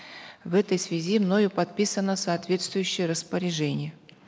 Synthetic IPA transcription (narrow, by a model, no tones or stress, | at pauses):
vɛt̪əjsvʲɪzʲimno̞jʊpɐt̪̚pʲisənəsɐːt̪vʲe̞t̪st̪vʊjʉɕːɪjəɾəspəɾʲɪʐɛnʲɪjə